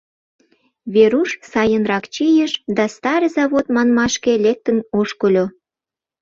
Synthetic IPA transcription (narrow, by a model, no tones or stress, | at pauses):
βeɾuʃsɑjənɾɑkt͡ɕijəʃd̪ɑst̪ɑɾəzɑβot̪mɑnmɑʃkelek̚t̪ənoʃkəlʲo